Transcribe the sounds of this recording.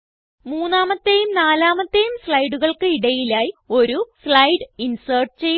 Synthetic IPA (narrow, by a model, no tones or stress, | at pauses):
muːnːaːmɐt̪ːejumnaːlaːmɐt̪ːejumsɭɐjɽuɣɐɭkɨiɽɐjilaːjio̞ɾusɭɐjɖɨinsɐːrʈɨt͡ɕejː